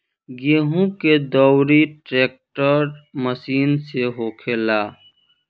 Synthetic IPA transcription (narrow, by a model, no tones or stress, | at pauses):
ɡeːɦũked̪ɔːwɾiʈɾeːk̚ʈəɾməsiːnseɦoːkʰeːlaː